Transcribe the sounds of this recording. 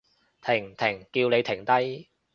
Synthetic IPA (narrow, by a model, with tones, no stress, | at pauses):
t̪ʰɪ˨˩ŋt̪ʰɪ˨˩ŋkiː˧wne˨˧jt̪ʰɪ˨˩ŋt̪ɐ˥j